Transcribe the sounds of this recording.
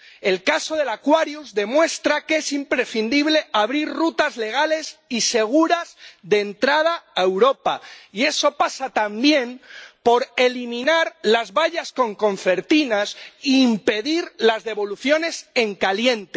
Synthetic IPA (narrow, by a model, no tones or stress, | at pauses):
e̞lkaso̞ðe̞lakwaɾjuzðe̞mwe̞st̪ɾakee̞simpɾe̞θind̪iβ̞le̞ʔaβɾirrut̪azle̞ɣ̞ale̞sise̞ɣ̞uɾazðe̞ːnt̪ɾað̞aːewɾo̞paie̞so̞pasat̪ambje̞mpo̞ɾe̞limĩnaɾlazβaʎasko̞ŋko̞ɱfe̞ɾt̪inasiːmpe̞ðiɾlazðe̞βo̞luθjo̞ne̞se̞ŋkaljent̪e